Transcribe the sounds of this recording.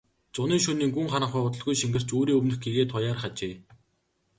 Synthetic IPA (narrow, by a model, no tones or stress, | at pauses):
t͡sʊniːŋʃɵniːŋɡuŋχanə̆χʊjʊt̪̬ə̆ɮɣujʃiŋɡɘ̆r̥t͡ɕoːɾiːŋɵwnɵ̆xɡiɣeːt̪ʰʊjaːrχat͡ɕeː